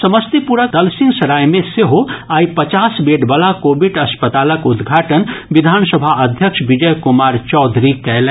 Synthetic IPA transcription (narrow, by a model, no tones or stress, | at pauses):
sɐməst̪ipuɾəkd̪ɐlsĩŋɡsɐɾaːjmẽseɦoaːipət͡ʃaːsbeːɖbalakoːbiʈɐspət̪aːləkʊd̪ɡʱaːʈənʋid̪ʱaːnsəbʱaʔɐd̪ʱjəkʃbid͡ʒəjkumaːɾt͡ʃɔːd̪ʱɾikɛl